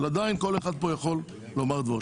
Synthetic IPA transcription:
lad̪ainko̞leχad̪̚po̞jaχo̞lː | o̞maʁd̪vo

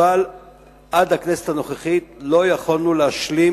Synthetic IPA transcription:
al | ʔadhakneset̪hano̞χeχit̪lo̞jaχolnuleaʃli

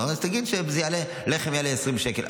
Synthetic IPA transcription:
nazt̪aɡid̪ʃebzejale | leχemjaleesʁimbʃekel

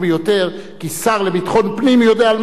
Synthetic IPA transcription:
bejo̞t̪e̞ʁ | kisaʁlebit̪χo̞npnimjo̞deaːlm

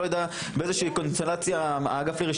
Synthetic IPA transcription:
ojad̪a | beezeʃiːkonst̪elat͡sjaaːɡafliʁiʃ

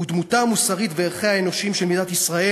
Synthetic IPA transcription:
ud̪mutamusaʁit̪veeʁχehaeno̞ʃimʃelmidat̪isʁae

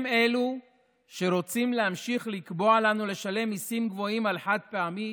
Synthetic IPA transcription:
me̞lu | ʃe̞ɾo̞t͡simleamʃiχlikbo̞alanule̞ʃale̞misimɡvo̞imalħat̪̚peami

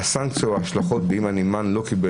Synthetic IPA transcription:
asaŋkt͡soaaʃlaχo̞t̪̚beimanimanlo̞kibe

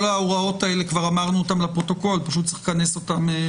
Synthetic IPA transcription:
olaoʁao̞taele̞kvaʁamaʁnuotamlapʁo̞to̞ko̞lpaʃut̪̚t͡se̥kaneso̞tame

